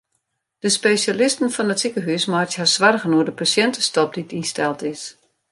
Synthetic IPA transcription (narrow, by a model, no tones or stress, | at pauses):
d̥əspesalɪstən̩fɔnətsikəɦysmaːthasʋarɣənuədəpasjɛntəstɔp̚ditinstɛlˠtɪs